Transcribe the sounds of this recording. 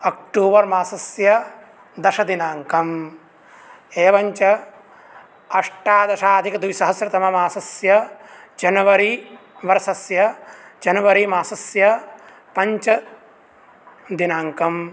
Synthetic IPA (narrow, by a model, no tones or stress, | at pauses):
ɐk̚ʈuːbɐɾmaːsɐsjɐ | d̪ɐʃɐd̪inaːŋkɐm | eːʋɐɲt͡ʃɐ | ɐʂʈaːd̪ɐʃaːd̪ʱikɐd̪uʋisɐɦɐsɾɐt̪ɐmɐmaːsɐsjɐd͡ʒɐnɐʋɐɾiʋɐɾɐsɐsjɐd͡ʒɐnɐʋɐɾimaːsɐsjɐ | pɐɲt͡ʃɐ | d̪inaːŋkɐm